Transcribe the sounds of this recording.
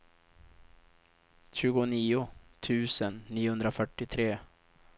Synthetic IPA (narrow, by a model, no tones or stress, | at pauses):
ɕʉ̟ːɡʊniːʊt̪ʰʉ̟ːsənːiːʊhɵnd̪ɾafœʈːɪt̪ʰɾeː